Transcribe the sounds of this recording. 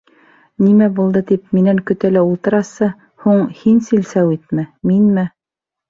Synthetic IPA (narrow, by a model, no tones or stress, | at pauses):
nimæbulˠd̪ɤt̪ipminæŋkɵ̆t̪ælæulˠt̪ɤ̆ɾɑsɤ | huɴhinsilsæwit̪mæminmɘ